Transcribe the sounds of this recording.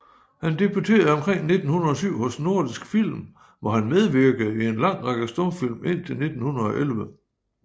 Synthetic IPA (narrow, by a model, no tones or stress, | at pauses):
hænd̥e̝but͡sʰe̝̰ːɐð̩ˠɒ̽mkʰʁeŋ̰ne̝d̥n̩hunɐɒ̽syʊ̰hɔ̽sno̝ɐd̥isɡ̥fil̰m | ʋɒhænmeð̞ˠʋiɐɡ̥əð̩ˠie̝nlɑ̈ŋ̰ʁɑɡ̥əsd̥ɔmfil̰me̝n̰t͡sʰe̝lne̝d̥n̩hunɐð̞̩ˠɒ̽ʔelʋə